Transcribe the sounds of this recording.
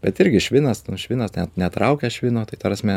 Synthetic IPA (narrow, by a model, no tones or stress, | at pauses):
b̥ʲɛt̪ɪɾʲɡʲɪʃʲʋʲɪnɐsnʊʃʲʋʲɪnɐsnʲɛnʲɛt̪ɾɐʊkʲɛʃʲʋʲɪnoːt̪ɐɪt̪ɐɾɐsʲmʲɛ